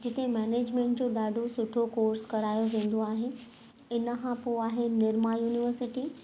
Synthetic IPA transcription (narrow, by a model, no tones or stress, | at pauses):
d͡ʑɪt̪emɛːneːd͡ʑmẽːɳʈ̚d͡ʑoɗaːɖʱosʊʈʰokoːɾskɐɾaːjoʋẽːn̆d̪oaːɦe | ɪnəkʰãpoaːɦenɪɾmajuːnɪʋəɾsɪʈi